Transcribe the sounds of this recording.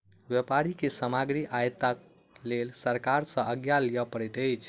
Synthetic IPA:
ʋjəpaɾikesəmaɡɾiʔajt̪ak̚ | lelsəɾkaɾsə̃əɡjalijəpəɾɛt̪əɪt͡ʃʰ

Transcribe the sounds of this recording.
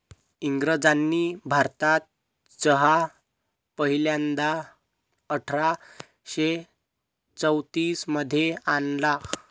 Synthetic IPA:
iŋɡɾəd͡zanːiːbʱaɾt̪at̪̚ | t͡səɦa | pəɦiljand̪a | əʈʰɾa | ɕe | t͡səwt̪iːsməd̪ʱːjeanla

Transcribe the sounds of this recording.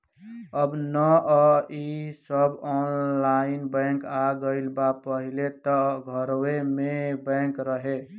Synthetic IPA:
əbnə | isəbɔnlainbə̃kaɡəɪlbapəɦilet̪ɔɡʱəɾwemebə̃kɾəɦe

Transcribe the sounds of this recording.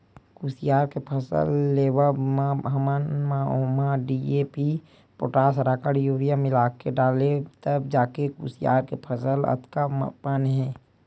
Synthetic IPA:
kusijaːɾkepʰəsə̰lːeːʋəmaɦəmənmaomaɖiepi | poʈaːsɾaːkəɽjuːɾijamɪlaːkːeɖaːlet̪əbd͡ʒaːkekṵːsija̰ːɾkepʰəsələ̰t̪kampənɦɛ̃ː

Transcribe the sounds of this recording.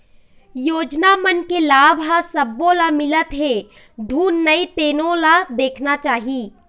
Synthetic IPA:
joːd͡ʒnamənkelaːbʱɦasəbːõlamɪlət̪ɦe | d̪ʱuːnːəit̪eːnõlad̪eːkʰnat͡ʃaːɦiː

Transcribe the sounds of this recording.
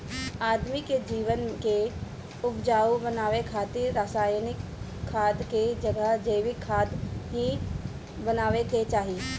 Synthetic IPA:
aːd̪miked͡ʒiːʋənke | ʊpd͡ʒaːubənaːʋekʰaːt̪ɪɾːaːsaːjnɪkʰː | aːd̪ked͡ʒɐɡəɦd͡ʒəɪʋɪkʰːaːd̪ɦi | bənaːʋeket͡ʃaːɦie

